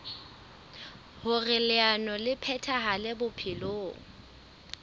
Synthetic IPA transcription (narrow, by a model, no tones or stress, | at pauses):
hʊrɪlɪanɔlɪpʰɛtʰaɦalɪbʊpʰɪloːŋ̩